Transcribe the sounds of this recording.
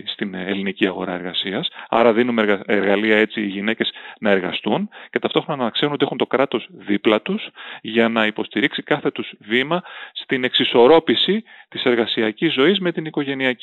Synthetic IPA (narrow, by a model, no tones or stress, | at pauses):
st̪inḛliniciɐɣo̞̰ɾɐ̰e̞ɾɣɐsiɐsɐ̰ɾɐðinumeeɾɣɐliɐe̞t͡siːʝine̞ce̞z̥nɐe̞ɾɣɐ̰st̪unce̞t̪ɐft̪o̞xɾo̞nɐnɐɐkseɾunot̪iexunt̪o̞kɾɐt̪o̞zðiplɐt̪usʝɐnɐipo̞st̪iɾiksikɐθe̞t̪uz̥vimɐst̪ine̞ksiso̞ɾo̞pisit̪ise̞ɾɣɐsiɐcizːo̞izmet̪iniko̞ʝe̞niɐ